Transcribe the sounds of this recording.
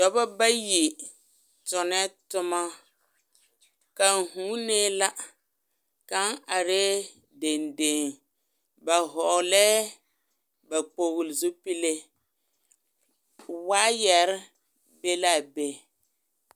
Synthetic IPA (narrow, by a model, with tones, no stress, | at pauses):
dɔ˨ba˦ba˦ji˨ | tɔ˨nɛ˦tʊ˦ma˦ | ka˨ŋ˨ɦuː˦neː˦la˦ | ka˦ŋa˨ɾe˦ | de˨nde˨ŋ | ba˨ɦɔ˨lɛ˦ | ba˨k͡po˨ɣʊ˨lzu˦pi˦le˦ | waː˦jɛ˨ɾɪ˦ | be˦la˦˨be˦